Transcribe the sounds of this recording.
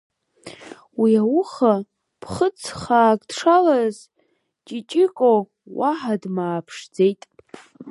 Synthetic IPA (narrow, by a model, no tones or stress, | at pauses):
wiawʊχa | pʰχət͡sʰχaːkʼdʂalaz | t͡ʃʼit͡ʃʼɪkʷʼo | waħadmaːpʰʂd͡zejtʼ